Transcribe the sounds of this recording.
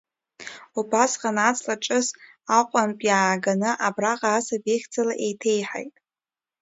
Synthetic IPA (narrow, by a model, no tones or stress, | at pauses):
ubasqʼanat͡sʼlaʈ͡ʂʼɨs | aqʷʼanpʼjaːɡanɨʔabraqʼaːsabeχʲd͡zalaʔejtʰejħa̰jtʼ